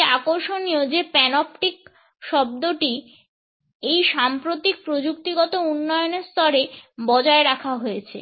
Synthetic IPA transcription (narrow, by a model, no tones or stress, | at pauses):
akoɾʃoniod͡ʑepɛnɔpʈik̚ | ʃɔb̚d̪oʈi | ejʃampɾot̪ik̚pɾod͡ʑukt̪iɡɔt̪ounːɔjoneɾst̪ʰɔɾebɔd͡ʑaeɾakʰaɦojet͡ɕʰḛ